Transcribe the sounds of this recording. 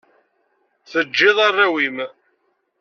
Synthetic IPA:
θəd͡ʒːɪðˤɑrˤːawim

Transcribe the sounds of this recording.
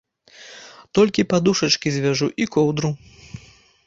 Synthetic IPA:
t̪ɔlʲkʲipad̪uʂɐt͡ʂkʲizʲvʲɛʐuʔikɔwd̪ɾu

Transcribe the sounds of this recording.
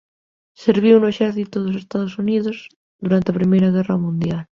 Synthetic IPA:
seɾβ̞iunoeʃɛɾθit̪oðosest̪aðosuniðoz | ðuɾant̪eapɾimejɾaɣɛramũnd̪jal

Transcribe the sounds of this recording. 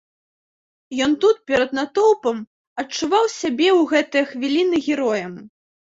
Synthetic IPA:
jɔnt̪ut̪̚pʲɛɾɐd̪nat̪ɔwpɐm | ɐt͡ʂːuvawsʲabʲɛwɣɛt̪ɨjɐxvʲilʲinɨɣʲɛɾɔjɐm

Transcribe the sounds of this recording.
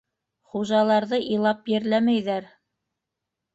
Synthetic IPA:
χuʒɑlˠɑɾðɤʔilˠɑpjɘ̆ɾlæmæjðæɾ

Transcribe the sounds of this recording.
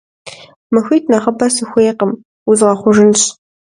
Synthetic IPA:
mɨxijtʰnɐχəbɐsɨxʷeːqəm | ʊzʁɐχʷʊʒɨnɕ

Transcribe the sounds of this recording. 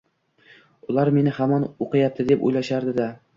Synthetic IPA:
ʊlˠaɾme̞nɪhamɒnoqɨjap̚t̪ʰɪd̪epo̰jlaʃaɾd̪ɪd̪a

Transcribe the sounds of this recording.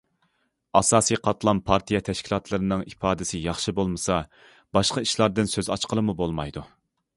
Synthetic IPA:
ɑsɑːsiqʰɑt̪lˠɑmpʰɑɾt̪ʰijɛt̪ʰɛʃkʲʰilˠɑt̪ʰlˠɨɾɨnɨŋipɑːd̪ɪsɪjɑχʃɨbolˠmɨsɑ | b̥ɑʃqɑiʃlˠɑɾd̪ɨnsøzɑt͡ʃqəlˠɨmubolˠmɑjd̪u

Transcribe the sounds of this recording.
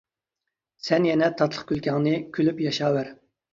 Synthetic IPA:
sɛnjɛnɛt̪ʰɑt̪ʰlˠəχkʲʰylkʲɛŋnɨkʲʰylypjɑʃɑːwæɾ

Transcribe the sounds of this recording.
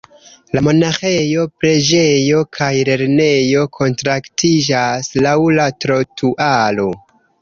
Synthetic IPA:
lamo̞naxe̞jo̞pɾe̞d͡ʒe̞jo̞kʰajle̞ɾne̞jo̞kʰo̞ntɾaktʰid͡ʒaslawlatɾo̞tʰuʔalo̞

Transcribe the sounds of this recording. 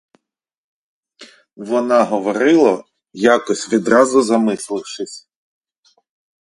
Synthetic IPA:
ʋɔnɑɦɔʋɔɾɪlˠɐ | jɑkɔsʲʋʲid̪ɾɑzʊzɐmɪslˠɪwʃɪsʲ

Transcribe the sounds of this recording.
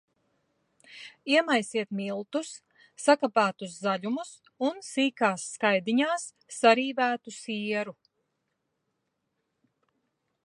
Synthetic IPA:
iɛmajsiɛt̪milˠt̪usː | akapæːt̪uszaʎumus | unsiːkaːsːkajd̪iɲaːsː | aɾiːvæːt̪usiɛɾu

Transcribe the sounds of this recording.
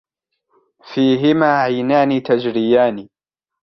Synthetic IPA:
fiːɦɪmaːʕajnaːniːt̪ad͡ʒɾɪjaːniː

